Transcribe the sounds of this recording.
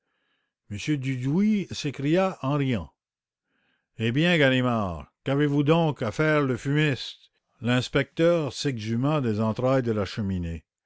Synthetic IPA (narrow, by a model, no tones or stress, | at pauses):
məsjød̪yd̪wisekʁijaʔɑ̃ʁijɑ̃ | ebjɛ̃ɡanimaːʁkavevud̪ɔ̃kafɛːʁləfynist̪ | lɛ̃spɛk̚t̪œːʁsɛɡzymad̪ezɑ̃t̪ɾajd̪əlaʃəmine